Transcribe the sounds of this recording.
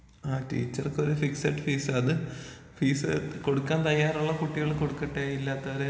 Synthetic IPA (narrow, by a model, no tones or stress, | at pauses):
aːʈḭːt͡ɕːɐrkɨoɾufiksɐʈːɨfiːsɐðɨ | fiːsɨko̞ɽukːaːnt̪ɐjːaːɾuɭːɐkuʈːiɣɐɭko̞ɽukːɐʈːeilːaːt̪ːɐʋɐɾe